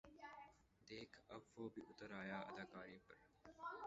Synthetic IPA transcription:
d̪eːkʰɐ̰bʋoːbʱiʔʊt̪əɾaːjaːʔɐ̰d̪aːkaːɾĩːpɐɾ

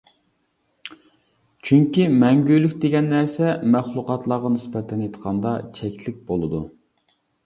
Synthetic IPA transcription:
t͡ʃʰyŋkʲimɛŋɡʲylykʲd̪eɡʲɛnːæɾsɛmæχlˠʊqɑt̪ʰlˠɑʁɑnɪspɛt̪ʰɛnet̪ʰqʰɑnd̪ɑt͡ʃʰɛkʲlɪk̚ʲbolˠɨd̪u

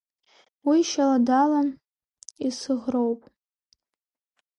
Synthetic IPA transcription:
wiʃaladalan | isɨʁrowpʼ

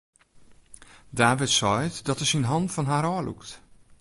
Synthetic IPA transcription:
daːʋɪtsɔjtdɔtəsinɦɔntfɔnɦaːɾɔːlʔṵkt

